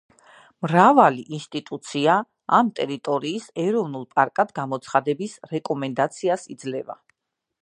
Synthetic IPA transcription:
mɾavaliʔinst̪ʼit̪ʼut̪sʰia | amt̪ʼɛɾit̪ʼɔɾiːsɛɾɔvnulˠpʼaɾkʼad̪ɡamɔt̪sʰχad̪ɛbisɾɛkʼɔmɛnd̪at̪sʰiasid̪zlɛva̰

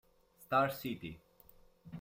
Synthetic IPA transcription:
st̪aɾsit̪i

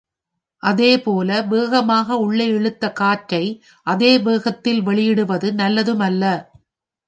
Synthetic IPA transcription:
ʔɐðeːpoːlɐbeːɣɐmaːɣɐʊɭːɐɪɛɻɯt̪ːɐkaːʈɾɐɪ | ʔɐðeːbeːɣɐt̪ːɪlʋɛɭɪjɪɽɯʋɐðɯnɐlːɐðɯmɐlːɐ

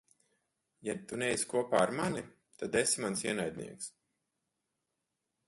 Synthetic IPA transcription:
jat̪unejskuɔpaːɾmani | t̪ad̪esimansiɛnajd̪ʲnḭɛks

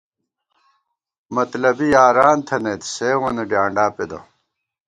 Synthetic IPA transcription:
mɐt̪lɐbijaːɾaːnt̪ʰɐnet̪seːwɐneɖjaːɳɖaːped̪ɐ̰

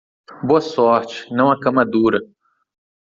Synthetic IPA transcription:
boɐsɔɾt͡ʃɪ̥nɐ̃w̃ɐkɐ̃mad̪uɾɐ

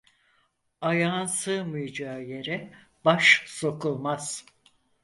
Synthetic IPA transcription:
ajaːnsɯmɯjd͡ʒaɯje̞ɾɛ | b̥aʃso̞kulˠmaz̥

